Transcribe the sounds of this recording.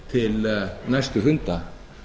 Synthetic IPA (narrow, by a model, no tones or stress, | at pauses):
t̪ʰɪlnast̪ʏɦʏnt̪a